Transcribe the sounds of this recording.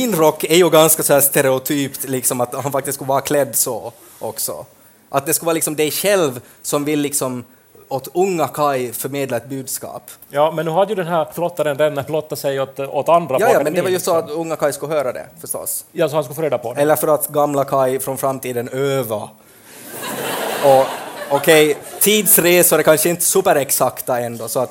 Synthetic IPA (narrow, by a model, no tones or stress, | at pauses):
ɪnɾɔkːɛɾjɵɡanskasɔhæːʂt̪ɛɾɛʊt̪ʰyːpt̪lɪksɔmat̪hanfak̚t̪ɪst̪skɵvɑːɾakʰlɛd̪ːsɔ | ʔɔksɔ̰ | ʔat̪̚d̪ɛskɵlɑːɾlɪksɔmd̪ɛjɕɛlv | sɔmvɪlːɪksɔm | ɔt̪ɵŋːakʰajfœɾmeːd̪laɛt̪̚bʉːd̪skɑ̰ːpjɑːmɛnːʉːhad̪əjʉd̪ɛnɦæːɾflɔt̪ːaɾənɾɛnːaflɔt̪ːasɛjɔt̪ɔt̪and̪ɾaɑːɑːmɛnd̪ɛvaɾjɵsɔat̪ʊŋːakʰajskɵlːhøːɾad̪ɛ̰fœʂʈɔ̰sjɑːsɔhanskʉfoːɾeːd̪apʰɔɛlːəɾfœɾat̪ɡamlakʰajfɾɔnfɾamːt̪ʰiːd̪ənøːva | ɔɔkʰɛjt̪ʰiːd̪sɾeːsɔɛkʰanʂəɪnt̪ə̥sʉːpəɾɛksakt̪aɛnd̪oːsɔat̪